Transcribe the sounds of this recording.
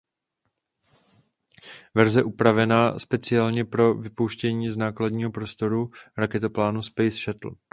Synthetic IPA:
vɛɾzɛʔupɾavɛnaːspɛt͡sɪaːlɲɛpɾo̞vɪpowʃcɛɲiːznaːkladɲiːɦo̞pɾo̞st̪o̞ɾuɾakɛt̪oplaːnuspɛjsʃɛt̪l̩

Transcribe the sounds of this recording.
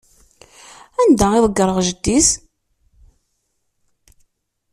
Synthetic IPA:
ænd̪æɪðˤəɡːəɾˤəʁʒəd̪ːis

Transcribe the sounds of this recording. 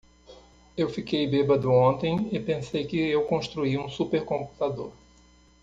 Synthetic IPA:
ewfikejbebɐd̪ʊõnt̪ẽj̃ɪpẽsejkɪewkõʃt̪ɾuiũsupeɾkõmpu̥t̪ad̪oɾ

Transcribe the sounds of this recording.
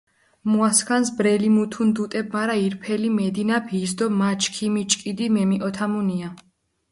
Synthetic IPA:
muaskʰansbɾɛlimut̪ʰund̪ut̪ʼɛb̚maɾaiɾpʰɛlimɛd̪inapʰis̬d̪ɔmat͡ʃʰʼkʰimit͡ʃʼkʼid̪imɛmiʔɔt̪ʰamunia

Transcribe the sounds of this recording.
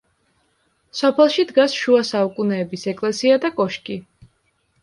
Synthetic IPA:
sɔpʰɛlˠʃid̪ɡasʃuasaukʼunɛːbisɛkʼlɛsiad̪akʼɔʃkʼi

